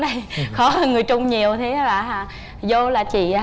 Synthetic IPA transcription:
ɗa˧˩jxɔ˨˦˨ŋɨ˨˩əjt͡ɕʊ˧ŋ͡mɲi˨˩əwt̪ʰe˨˦a˨˦ɓa̰ː˧˨˩ɦaː˧˩ | zo˧laː˨˩t͡ɕḭ˧˨

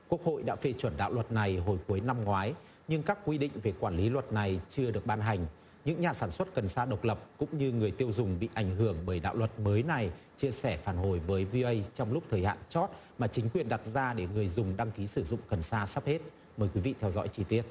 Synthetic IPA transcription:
ku˦˥ək̚ho̰˧˨jɗa̰ː˧˥fe˧t͡ɕwə˧˩nɗa̰ː˧˨wlwə˨˩t̚na˨˩jɦo˨˧˩jku˨˦jna˧mŋwaː˨˦j | ɲɨ˧ŋkaː˦˥k̚kwi˧ɗḭ̈˧˨ŋ̟ve˨˩kwaː˧˩nli˨˦lwə˨˩t̚na˨˩jt͡ɕɨ˧əɗɨ˨˩ək̚ɓaː˧nɦa˨˩jŋ̟ | ɲɨ̰˧˥ŋɲaː˨˩saː˧˩nswə˦˥t̚kə˨˩nsaː˧ɗə˨˩wk͡p̚lə˨˩p̚kʊ̰˧˥ŋ͡mɲɨ˧ŋɨ˨˩əjt̪i˧əwzʊ˨˩ŋ͡mɓḭ˧˨ʔa˧˩jŋ̟ɦɨ˧˩əŋɓəː˧˩jɗa̰ː˧˨wlə˨˩t̚məː˨˦jna˨˩j | t͡ɕi˧əsɛ˧˩faː˧˩nɦo˨˩jvəː˨˦jvi˧ʔə˧jt͡ɕɔ˧wŋ͡mlʊ˦˥k͡p̚t̪ʰəː˨˩jha̰ː˧˨nt͡ɕɔ˦˥t̚ | maː˨˩t͡ɕï˨˦ŋ̟kwi˨˩ənɗa˨˩t̚zaː˧ɗe˧˩ŋɨ˨˩əjzʊ˨˩ŋ͡mɗa˧ŋki˨˦sɨ˧˩zʊ̰˧˨ŋ͡mkə˨˩nsaː˧sa˦˥p̚he˦˥t̚ | məː˨˩jkwi˨˦vḭ˧˨t̪ʰɛ˧wzɔ̰˧˥jt͡ɕi˧˩t̪i˦˥ət̚

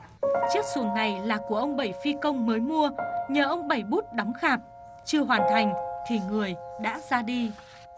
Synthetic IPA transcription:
t͡ɕɨ˦˥ək̚su˨˩əŋna˨˩jlaː˨˩ku˧˩əʔə˧wŋ͡mɓə˧˩jfi˧kə˧wŋ͡mməː˨˦jmu˧əɲəː˨˩ʔə˧wŋ͡mɓə˧˩jɓu˦˥t̚ɗɔ˨˦wŋ͡mxaː˨˩p̚ | t͡ɕɨ˧əɦwaː˨˩nt̪ʰa˨˩jŋ̟t̪ʰi˨˩ŋɨ˨˩əjɗa̰ː˧˥zaː˧ɗi˧

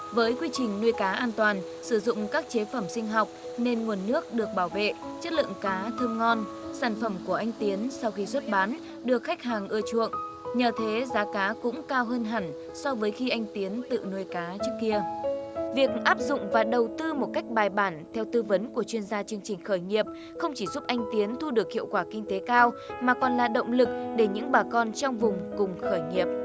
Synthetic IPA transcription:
vəː˨˦jkwi˧t͡ɕï˨˩ŋ̟nu˧jkaː˨˦ʔaː˧nt̪waː˨˩n | sɨ˧˩zʊ̰˧˨ŋ͡mkaː˦˥k̚t͡ɕe˨˦fə˧˩msï˧ŋ̟ɦa˨˩wk͡p̚ne˧nŋu˨˩ənːɨ˦˥ək̚ɗɨ˨˩ək̚ɓaː˧˩wvḛ˧˨t͡ɕə˦˥t̚lɨ̰˧əŋkaː˨˦t̪ʰə˧mŋɔ˧n | saː˧˩nfə˧˩mku˧˩əʔa˧jŋ̟t̪i˨˦ənsa˧wxi˧swə˦˥t̚ɓaː˨˦n | ɗɨ˨˩ək̚xa˦˥jk̟̚ɦaː˨˩ŋʔɨ˧ət͡ɕṵ˧˨əŋ | ɲəː˨˩t̪ʰe˨˦zaː˨˦kaː˨˦kʊ̰˧˥ŋ͡mkaː˧wɦəː˧nɦa˧˩ŋ | sɔ˧vəː˨˦jxi˧ʔa˧jŋ̟t̪i˨˦ənt̪ɨ̰˧˨no˧jkaː˨˦t͡ɕɨ˦˥ək̚kːi˧əvi˨˩ək̚ʔaː˦˥p̚zʊ̰˧˨ŋ͡mvaː˨˩ɗə˨˩wt̪ɨ˧mo˨˩t̚ka˦˥jk̟̚ɓaː˨˩jɓaː˧˩nt̪ʰɛ˧wt̪ɨ˧və˨˦nku˧˩ət͡ɕwi˧ənzaː˧t͡ɕɨ˧əŋt͡ɕï˨˩ŋ̟xəː˧˩jŋi˨˩əp̚ | xə˧wŋ͡mt͡ɕi˧˩zu˦˥p̚ʔa˧jŋ̟t̪i˨˦ənt̪ʰu˧ɗɨ˨˩ək̚hḭ˧˨əwkwaː˧˩kï˧ŋ̟t̪e˨˦kaː˧wmaː˨˩kɔ˨˩nlaː˨˩ɗə̰˧˨wŋ͡mlɨ˨˩k̚ɗe˧˩ɲɨ̰˧˥ŋɓaː˨˩kɔ˧nt͡ɕɔ˧wŋ͡mvʊ˨˩ŋ͡mkʊ˨˩ŋ͡mxəː˧˩jɲi˨˩əp̚

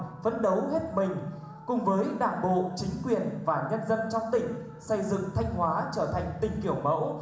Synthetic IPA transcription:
fə˨˦nɗə˨˦wɦe˦˥t̚mï˨˩ŋ̟ | kʊ˨˩ŋ͡mvəː˨˦jɗaː˨˩nɓo̰˧˨t͡ɕï˨˦ŋ̟kwi˨˩ənvaː˨˩ŋə˧nzə˧nt͡ɕɔ˧wŋ͡mt̪ï˨˩ŋ̟ | sə˧jzɨ̰˧˨ŋt̪ʰa˧jŋ̟hwaː˨˦t͡ɕəː˧˩t̪ʰa˨˩jŋ̟t̪ï˨˩ŋ̟ki˧˩əwmə̰˧˥w

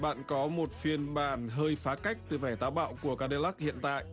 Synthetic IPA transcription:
ɓa̰ː˧˨nkɔ˨˦mo˨˩t̚fi˧ənɓaː˧˩nɦəː˧jfaː˨˦ka˦˥jk̟̚t̪ɨ˨˩vɛ˧˩jt̪aː˧˩wɓa̰ː˧˨wku˧˩əkaː˧˥ɗe˧la˦˥k̚hḭ˧˨ənt̪a̰ː˧˨jʔ

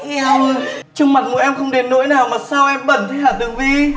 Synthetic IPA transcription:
t͡ɕʊ˧ŋ͡mma˨˩t̚ŋṵ˧˨ʔɛ˧mxə˧wŋ͡mɗe˨˩nːo̰˧˥jnaː˨˩wmaː˨˩saː˧wʔɛ˧mɓə̰˧˩nt̪ʰi˧˦haː˨˩t̚ɗɨ˨˩ək̚vi˨˩

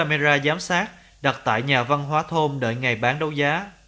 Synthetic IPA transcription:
a˧me˧zaː˧zaː˨˦msaː˦˥t̚ | ɗa˨˩t̚t̪a̰ː˧˨jɲaː˨˩va˧nɦwaː˨˦t̪ʰo˧mɗə̰ː˧˩jŋa˨˩jɓaː˨˦nɗə˨˦wzaː˨˦

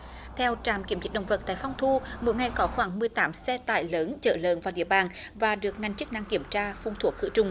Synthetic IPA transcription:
t̪ʰɛ˧wt͡ɕaː˧˩mki˧˩əmzï̟˨˦˥ɗə̰˧˨wŋ͡mvə˨˩t̚t̪a̰ː˧˨jfɔ˧wŋ͡mt̪ʰu˧mo̰˧˥jŋa˨˩jkɔ˨˦xwaː˧˩ŋmɨ˨˩əjt̪aː˨˦msɛ˧t̪a̰ː˧˨jləː˨˦nt͡ɕə̰ː˧˩lə̰ː˧˨nvaː˨˩wɗḭ˧˨əɓaː˨˩nvaː˨˩ɗɨ˨˩ək̚ŋa˨˩jŋ̟t͡ɕɨ˦˥k̚na˧˩ŋki˧˩əmt͡ɕaː˧fʊ˧˩ŋ͡mt̪ʰu˨˧˩ək̚kɨ̰˧˥t͡ɕʊ˨˧˩ŋ͡m

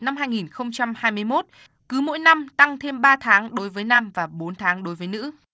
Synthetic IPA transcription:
na˧mhɦaː˧jŋi˨˩nxə˧wŋ͡mt͡ɕa˧mhaː˧jmɨ˧əjmo˦˥t̚ | kɨ˨˦mo̰˧˥jna˧mt̪a˧ŋt̪ʰe˧mɓaː˧t̪ʰaː˨˦ŋɗo˨˦jvəː˨˦jna˧mvaː˨˩ɓo˨˦nt̪ʰaː˨˦ŋɗo˨˦jvəː˨˦jnɨ̰˧˥

